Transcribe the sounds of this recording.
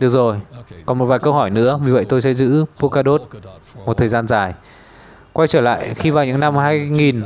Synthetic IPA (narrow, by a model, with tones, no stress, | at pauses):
ɗɨ˨˩ək̚zo˨˩jkɔ˨˩nmo˨˩t̚vaː˨˩jkə˧wɦɔ˧˩jnɨ̰˧˥əvi˨˩və̰˧˨jt̪o˧jsɛ̰˧˥zɨ̰˧˥pu˧kaː˧ɗo˦˥t̚ | mo˨˩t̪̚ʰəː˨˩zaː˧nzaː˨˩j | kwa˧jt͡ɕəː˧˩la̰ː˧˨jxi˧vaː˨˩wɲɨ̰˧˥ŋna˧mɦaː˧jŋi˨˩n